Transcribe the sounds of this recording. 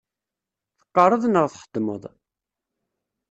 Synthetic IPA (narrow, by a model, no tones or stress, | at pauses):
θə̥qːɑɾˤəðˤnəʁθħəd̪ːmə̰ðˤ